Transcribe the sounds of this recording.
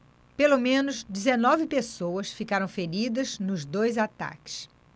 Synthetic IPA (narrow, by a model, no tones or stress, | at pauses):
pelomẽnʊzd͡ʒɪzenɔvɪpesowɐsfikaɾɐ̃w̃feɾid̪ɐznʊzd̪ojzat̪a̰kɪ̥s